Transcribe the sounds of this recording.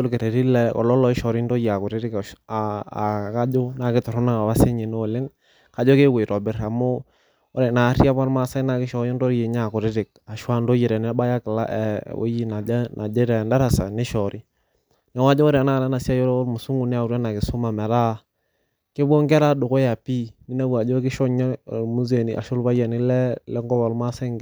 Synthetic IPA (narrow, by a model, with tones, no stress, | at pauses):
o˦ɾkɪ˨ɾe˨ɾi˦lɛ˦kɔ̰˨lɔ˦lɔ˨ɪ˦ʃɔ˨ɾi˦ndo˦ja˨kʊ˨ɾɪ˦ɾɪ˦kː | ka˦d͡ʒo˦na˨kɪ˦tɔ˨ɾɔ˦na˦ka˨wa˦se˦ɲe˨no˦˨lɪ˦ŋ | ka˨d͡ʒɔ˦ke˦we˨ɾɔ˨bɪ˦ɾa˨mo˦ | o˦ɾe˨na˨˦ɾi˦a˦pa˦ɾma˦sa˦na˨kɪ˦ʃɔ˨jo˦ndo˦ɾje˨ɲa˦˨kʊ˨ɾɪ˦ɾɪ˨k̚a˨ʃwa˦ndo˦ji˨ɾɛ˨nɛ˦ba˦ja˦kɪ˨la̰˦ʔɛ̰˨o̰˦ji˦na˨˦nʔa˨d͡ʒe˦ɾɛ˨nda˦ɾa˨sa̰˨nɪ˦ʃɔ˨ɾi˦ | nɛ˨wa˦d͡ʒɔ˦o˦ɾa˨na˦˨la˦na˨si˦a˦jɔ˦ɾɾmu˨su˦ŋu˨nɪ˦a˨u˨ɾa˦na˨kɪ˨sʊ˦ma˨mɛ˨ɾa˦ | ke˦bo˦ŋkɛ˦ɾa˦dʊ˨ko˦ja˨pi˦ni˦na˦wu˨a˨d͡ʒɔ˦kɪ˦ʃɔ˦ɲɔ˦˨mu˦ze˨ni˨ʔa̰˨ʃʊ˦lba˦ja˨nɪ˦lɛ˦lɛ˦ŋɡɔ˦ba˨lma˦sa˦ŋ